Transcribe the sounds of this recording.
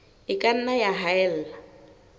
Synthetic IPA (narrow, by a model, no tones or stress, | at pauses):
ɪkʼan̩najaɦaɛl̩ːla